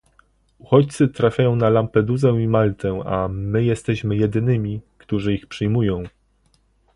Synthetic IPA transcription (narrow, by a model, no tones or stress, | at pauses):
uxɔt͡ɕt̪sɘt̪ɾafʲjajɔ̃w̃nalampɛd̪uzɛ̃imalt̪ɛa̰mɘjɛst̪ɛɕmɘjɛd̪ɘnɘmʲikt̪uʐɘixpʂɘjmujɔ̃w̃